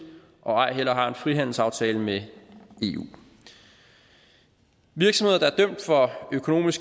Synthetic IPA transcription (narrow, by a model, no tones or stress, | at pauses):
ʔɒ̽ɑ̈ɪ̰ɦel̰ɐɦɑ̈e̝nfʁiɦæn̰l̩sɑ̈ʊt͡sʰɛːləmee̝̰ṵː | ʋiɐɡ̥smhe̝ðˠd̥ɑæɐd̥œm̰d̥fɒ̽økʰo̝no̝̰ːmisɡ̥